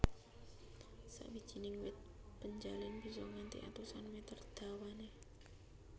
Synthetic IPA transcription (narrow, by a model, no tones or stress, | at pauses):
sa̰ʔbi̥d͡ʒ̥i̤nɪŋwɪt̪̚ | pəɲd͡ʒalɪnbisɔŋant̪ḭʔa̰t̪usanmet̪ərd̪̥a̤wane